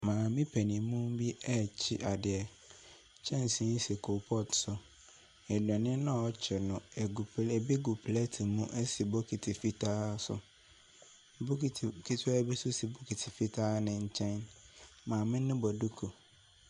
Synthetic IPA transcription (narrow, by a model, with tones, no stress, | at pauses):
mãː˨mɪ̃˦pʰɛ˨nĩ˨mũ˦m˦bi˦ɛ˦˨t͡ɕʰɪ˦ʔa˨dɪ˨ɛ˨ | t͡ɕʰɛ̃˦n˨sĩ˨˦n̩˦se˨kʰo˨pʰɔ˦tsʊ˨ | ɛ˨dɛ̃˨nɪ̃˦nã˦˨ɔ˦t͡ɕʰɛ˨nʊ̃˨ɛ˨ɡu˨pʰlɛ˨bi˦ɡu˨pʰlɛ˦tʰi˨mũ˦ʔɛ˦si˨bɔ˦kʰi˨tʰi˨fi˦tʰaː˦sʊ̰˨ | bʊ˦ki˨tʰi˨kʰi˦tʰɪ˦ɛ˦bi˦sʊ˦si˨bɔ˦kʰi˨tʰɪ˨fi˦tʰaː˦nɪ̃˨ɲ̩˦t͡ɕʰɛ̃˦nmãː˨mɪ̃˦nɪ̃˦bɔ˨du˦kʰo˨